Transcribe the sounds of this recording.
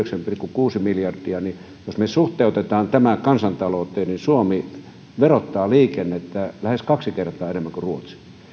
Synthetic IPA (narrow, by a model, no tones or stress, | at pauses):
øksæmpikːukuːsimiljɑrd̪̥iɑni | josmesuht̪eut̪et̪ɑːnt̪æmækɑnsɑnt̪ɑloːˑt̪ːˑeːninsuomi | ʋerot̪ːɑːliːkenːet̪ːælæheskɑksikert̪ˑɑːenemːæŋkuruot̪si̥